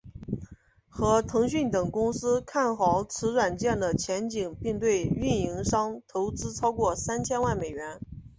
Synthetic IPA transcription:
xɤ˧˥t̪ʰɤ˧˥ŋɕy˥˩nt̪ɤ˨˩ŋkʊ˥ŋsɹ̩˥kʰa˥˩nxɑ˧˥ʊt͡sʰɹɻ̩˧˥ɻwa˨˩nt͡ɕjɛ˥˩nd̪ə˩t͡ɕʰjɛ˧˥nt͡ɕi˨˩ŋpi˥˧ŋt̪̬we˥˧ɪy˥˩ni˧˥ŋʂɑ˥ŋt̪ʰo˧˥ʊt͡sɹ̩˥ʈ͡ʂʰɑ˥ʊkwɔ˥˩sa˥nt͡ɕʰjɛ˥nwa˥˩nme˨˩ɪɥɛ˧˥n

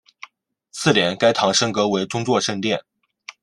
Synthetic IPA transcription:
sʰɹ̩˥˩ljɛ˧˥nka˥ɪt̪ʰɑ˧˥ŋʂɤ˥ŋkɤ˧˥we˧˥ɪʈ͡ʂʊ˥ŋt͡swɔ˥˧ʂɤ˥˧ŋt̪jɛ˥˩n

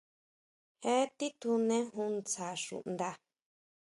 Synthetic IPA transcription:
he˦t̪i˦t̪u˧nẽ˦ɦũ˧nt͡sa˨ʃṵ˨ʔnd̪a˧

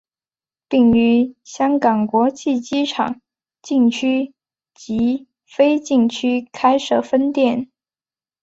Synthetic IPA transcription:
pi˥˩ŋy˧˥ɕjɑ˥ŋkɑ˨˩ŋkwɔ˧˥t͡ɕʰi˥˩t͡ɕi˥ʈ͡ʂʰɑ̰˨˩˦ŋ | t͡ɕi˥˩ŋt͡ɕʰy˥ | t͡ɕi˧˥ | fe˥ɪt͡ɕi˥˩ŋt͡ɕʰy˥kʰa˥ɪʂɤ˥˩fə˥nt̪jɛ˥˩n

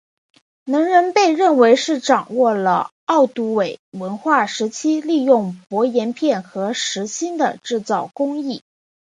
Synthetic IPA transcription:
nɤ˧˥ŋɻə˧˥npe˥˧ɪɻə˥˩nwe˧˥ɪʂɻ̩˥˩ʈ͡ʂɑ˨˩ŋwɔ˥˩lə̰˩ | ɑ˥˩ʊt̪u˧˥we˨˩ɪwə˧˥nxwa˥˩ʂɻ̩˧˥t͡ɕʰi˥li˥˧jʊ˥˩ŋpwɔ˧˥jɛ˧˥npʰjɛ˥˩nxɤ˧˥ʂɻ̩˧˥ɕi˥nd̪ə̰˨ʈ͡ʂɻ̩˥˧t͡sɑ˥˩ʊkʊ˥ŋi˥˩

